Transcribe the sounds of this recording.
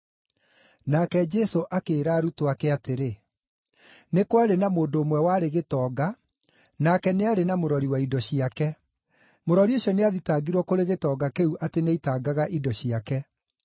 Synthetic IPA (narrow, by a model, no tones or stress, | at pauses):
nakɛd͡ʒɛsoʔakeːɾaːɾutowakɛateɾe | nekwaɾenamoːndoːmwɛwaːɾeɣetɔːɡa | nakɛneaɾenamoɾɔɾiwaidɔɕiakɛ | moɾɔɾioɕɔneaðitaɡiɾwɔkoɾeɣetɔːɡakeuʔateneitaɡaɣaʔidɔɕiakɛ